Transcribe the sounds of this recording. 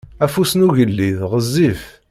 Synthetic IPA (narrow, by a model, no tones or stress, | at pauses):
æfusnuʝəlːiðʁəzːif